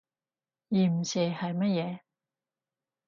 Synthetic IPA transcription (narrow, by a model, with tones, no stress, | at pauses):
jiː˨m̩˨˩si˨˩hɐ˨jmɐ˥t̚jɛː˨˧